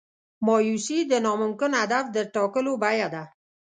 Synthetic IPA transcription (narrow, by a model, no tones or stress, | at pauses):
mɔjusid̪ənɔmʊmkɪnhad̪afd̪əɾʈ̪ɔkəlobajad̪a